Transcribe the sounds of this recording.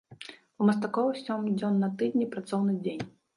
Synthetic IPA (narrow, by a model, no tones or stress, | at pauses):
umɐst̪akɔwɨsʲɔmd͡zʲɔnːɐt̪ɨd̪ʲnʲipɾat̪sɔwnɨd͡zʲenʲ